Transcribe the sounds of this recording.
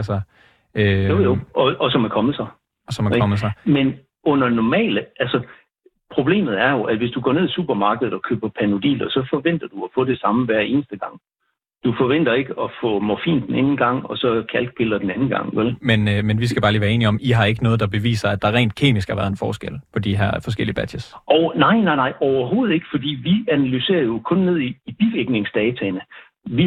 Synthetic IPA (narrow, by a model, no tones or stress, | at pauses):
ælsɐ | øɒɒsɒ̽mækʰɒ̽mð̩ˠsɑ̈ɪ | ɒ̽sɒ̽mækɒ̽mð̩ˠsɑ̈men | ɔ̽n̰ɐnɒmɛ̰ːləʔælsɒ | pʰʁo̝b̥le̝̰ːmð̩ˠæɐjo̝ʔæ̥ʋe̝sd̥uɡ̥ɒ̰ːne̝ðˠisṵːb̥ɐmɑ̈ːɡ̥əð̩ˠɒ̽kʰø̰ːb̥ɐpʰæno̝d̥ḭːlɐsɒ̽fɒ̽ʋen̰d̥ɐd̥uɒfɔ̽ːd̥e̝sɑ̈məʋæɐ̰e̝ːnəsd̥əɡ̥ɑ̈ŋ̰ | d̥ufɒ̽ʋen̰d̥ɐe̝ɡ̥əɒ̽fɔ̰̽ːmɒfḭːnd̥eneːnn̩ɡ̥ɑ̈ŋ̰ɒ̽sɒ̽kʰælɡ̥̚b̥e̝lˠɐd̥enænn̩ɡ̥ɑ̈ŋ̰ʋelmenmenʋisɡ̥æbɑ̈ːliːʋæɐe̝ːniɒ̽miɦɑ̈e̝ɡ̥ənɔ̽ːð̩ˠd̥ɑ̈b̥e̝ʋḭːsɐæd̥ɑ̈æʁɛ̰ːnd̥̚kʰe̝̰ːmisɡ̥hɑʋæɐðˠenfɒːsɡ̥el̰pʰɒ̽d̥iɦæɐfɒ̽sɡ̥el̰iəb̥æ̥esʔɒʊnɑ̈ɪ̰nɑ̈ɪnɑ̈ɪɒʊɐɦo̝ːð̩ˠe̝ɡ̥fɒ̽d̥ḭːʋiænælyse̝̰ːɐjo̝kʰɔ̽nːe̝ð̞̰ˠiːb̥iɡ̥eɡ̥ne̝ŋsd̥ɛːt͡sʰɛnə | ʋi